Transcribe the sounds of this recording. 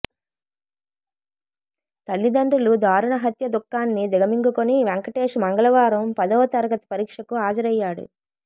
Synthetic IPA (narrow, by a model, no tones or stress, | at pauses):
t̪ɐlːid̪ɐɳɖulud̪ʱaːɾuɳɐɦɐt̪jɐd̪ukːaːnːid̪ɛɡɐmiŋɡukoniʋeŋkɐʈeːʂmɐŋɡɐlɐʋaːɾɐmpɐd̪ɐʋɐt̪ɐɾɐɡɐt̪ɐ̥pɐɾiːkʂɐkuaːd͡ʒɐɾɐjːaːɽṵ